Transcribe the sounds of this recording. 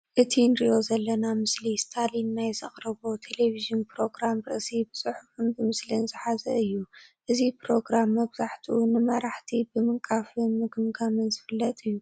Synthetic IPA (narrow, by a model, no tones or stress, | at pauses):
ʔɨt̪ʰinɾijo̞zɐlːɐnamɨslist̪ʰalinːajzɐχʼɾɐβot̪ʰe̞le̞vizɨnpɾo̞ɡɾamɾɨ̰ʔsibɨsʼɨħufɨnbɨmɨslinzɨħazɐɨjːuʔɨzipɾo̞ɡɾamːɐβz̥aħt̪ʰiʔunɨmɐɾaħt̪ʰibɨmɨŋkʼafɨnmɨɡɨmɡamɨnzɨfɨlːɐt̪ʼɨjːu